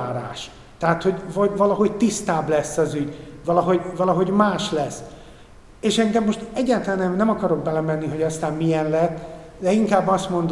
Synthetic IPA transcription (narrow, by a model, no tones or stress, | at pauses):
aːɾa̰ːʃ | t̪ɛɦat̪ho̞ɟvɒvɒlɒɦo̞ɟt̪ist̪aːblɛsːɒzyɟvɒlɒɦo̞ɟvɒlɒɦo̞ɟmaːʃlɛsː | eːʃɛŋɡɛmːo̞ʃt̪ɛɟːaːt̪ɛlanɛmnɛmɒkɒɾo̞ɡ̚bɛlɛmɛnːiɦo̞ɟɒst̪aːmmijɛnlɛt̪ː | d̪ɛiŋkaːbːɒst̪mo̞nd̪